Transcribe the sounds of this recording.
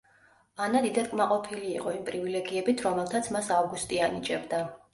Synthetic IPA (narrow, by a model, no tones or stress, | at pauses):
anad̪id̪at̪kʼmaqʼɔpʰiliːqʼɔimpʼɾivilɛɡiɛbit̪ʰɾɔmɛlˠt̪ʰat̪sʰmasavɡust̪ʼianit͡ʃʼɛbd̪a